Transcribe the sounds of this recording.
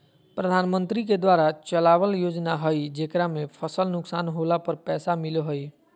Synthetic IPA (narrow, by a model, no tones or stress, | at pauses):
pɾəd̪ʱanmənt̪ɾik̬ed̪waɾat͡ʃəlaʋəljod͡ʒnaɦəjd͡ʒekɾamepʰəsəlnʊksanɦolapəɾpɛːsamiloɦəi